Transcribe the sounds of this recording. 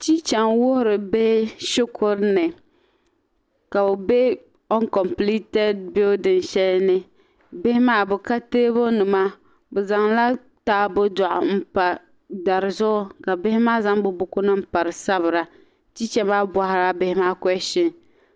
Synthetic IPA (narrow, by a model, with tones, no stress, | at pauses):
t͡ʃi˦t͡ʃɛ˨ŋwʊ˦hʊ˦ɾɨ˨be˦ʃʊ˦kʰʊ˦ɾnɨ˨ | ka˨bʊ˨be˦ | ɔ˦nkɔ˨mpli˦tɛ˦d̚bɪ˦dɨ˨nʃɛ˦lnɨ˦ | bɪ˦hɪ˦maː˦bʊ˨ka˦teː˦bo˦nɨ˨ma˦ | bʊ˨za˨ŋla˦ | taː˦bʊ˦dɔ˨ʔʊ̰˨m̩˦pa˨ | da˨ɾɨ˨zʊ˦ʔʊ˦ka˨bɪ˦hɪ˦maː˦za˦ŋbʊ˦bʊ˦kʊ˦nɨ˦m̩˦pa˨ɾɨ˨sa˦bɨ˨ɾa˦ | t͡ʃi˦t͡ʃɛ˦maː˦bwa˨hɪ˨ɾa˦bɪ˦hɪ˦maː˦kɔ˦ɛ˦ʃɪ˦ŋ